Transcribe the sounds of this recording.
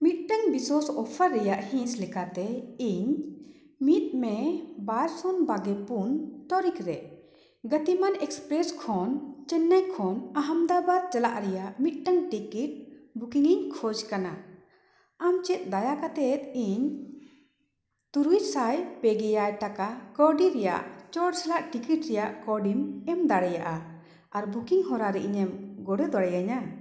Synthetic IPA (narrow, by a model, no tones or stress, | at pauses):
mit̪̚ʈəŋbiswɔsɔpʰəɾːɛjaʔhĩslɛkat̪ɛiɲ | mit̪̚mɛbaɾsɔnbaɡɛpunt̪ɔɾikɾɛ | ɡət̪imanɛkspɾɛskʰɔnt͡ʃɛnːajkʰɔnaɦamd̪abad̪̚t͡ʃəlaʔɾɛjaʔmit̪̚ˀʈəŋʈikiʈ̚bukiŋiɲkʰɔd͡ʒkana | amt͡ʃɛt̪̚ˀd̪ajakat̪ɛt̪iɲ | t̪uɾujsajpɛɡɛjajʈakakɔɖiɾɛja̰ʔt͡ʃɔʈsɛlaʔʈikiʈɾɛjaʔkɔɖimɛmd̪aɽɛjaʔa | aɾbukiŋɦɔɾaɾɛʔiɲɛmɡɔɽɛd̪ɔɽɛjaɲa